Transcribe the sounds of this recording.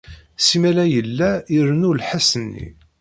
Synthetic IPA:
simælæjəlːæiɾənulħasənːḭ

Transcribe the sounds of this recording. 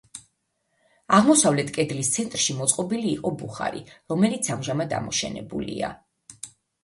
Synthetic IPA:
aʁmɔsavlɛt̪ʰkʼɛd̪list̪sʰɛnt̪ʼɾʃimɔt̪sʼqʼɔbiliːqʼɔbuχa̰ɾḭɾɔmɛlit̪sʰamʒamad̪a̰mɔʃɛ̰nɛ̰bṵlḭa̰

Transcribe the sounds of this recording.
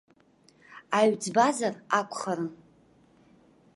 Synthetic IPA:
aɥd͡zbazarakʷʰʼχaɾɨn

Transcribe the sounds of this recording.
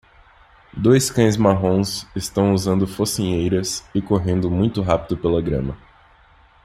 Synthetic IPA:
d̪ojskɐ̃j̃zmaɦõsɪst̪ɐ̃w̃uzɐ̃nd̪ʊfosĩɲejɾɐsɪkoɦẽnd̪ʊmũj̃t̪ʊɦapid̪ʊpelɐɡɾɐ̰̃mɐ

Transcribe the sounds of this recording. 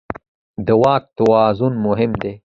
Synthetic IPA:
d̪əwɑːk̚t̪awɑːzunmʊɦɪmd̪e

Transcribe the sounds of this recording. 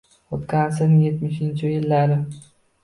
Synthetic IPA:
ot̪kʲansenɪjet̪mɪʃɪnt͡ʃʰɪjɪlːaɾɪ

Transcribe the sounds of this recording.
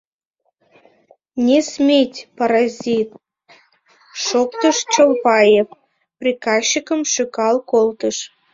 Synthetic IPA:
nʲesmʲetʲpaɾɑzʲit̪̚ | ʃokt̪əʃt͡ʃəmpɑjef | prʲikɑɕːikə̆mʃykɑlˠkolt̪ə̆ʃ

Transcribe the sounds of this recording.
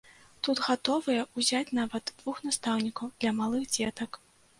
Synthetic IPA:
t̪ut̪ɣat̪ɔvɨjɐuzʲat͡sʲnavɐd̪d̪vuxnast̪awnʲikɐwd̪̥lʲɐmalˠɨɣd͡zʲɛt̪ɐk

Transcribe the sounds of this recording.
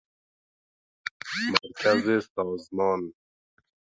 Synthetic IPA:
maɾkazesɔːzmɔːn

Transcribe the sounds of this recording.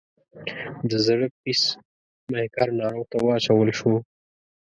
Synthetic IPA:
d̪əzaɽəppis | mahkɑɾnɑɾoɣt̪awəat͡ʃawəlʃo

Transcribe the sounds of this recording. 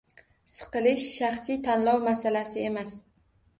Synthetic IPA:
sɨ̥qɨlɪʃʃaχsijt̪ʰanlɒwmasalasɪe̞mas

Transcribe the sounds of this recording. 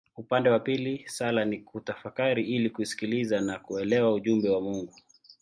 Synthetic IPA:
upandɛwapilisalanikutafakaɾiilikuisi̥kilizanakuɛlɛwauʄumbɛwamuŋɡu

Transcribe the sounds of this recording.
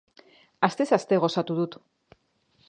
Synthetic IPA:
ast̪e̞sast̪e̞ɣ̞o̞sat̪uðut̪

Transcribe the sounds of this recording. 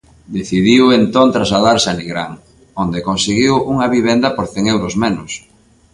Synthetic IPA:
d̪eθiðiwent̪ont̪ɾazlaðaɾsaniɣɾaŋ | ond̪ekonseɣiwuŋɐβiβ̞end̪ɐpoɾθɛŋewɾozmenʊs

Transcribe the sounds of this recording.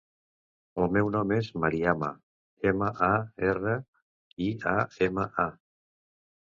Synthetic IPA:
əlˠmɛwnɔmezmaɾiama̰ | eməʔaerə | iaeməʔa

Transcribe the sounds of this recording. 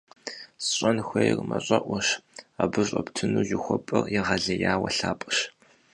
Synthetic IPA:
sɕʼɐnxʷejrmɐɕʼɐʔʷɔɕaːbɨɕʷʼɐptʰɨnuːʑɪxʷɔpʼɨrjɪʁɐɮɐjaːwɐɬaːpʼɨɕ

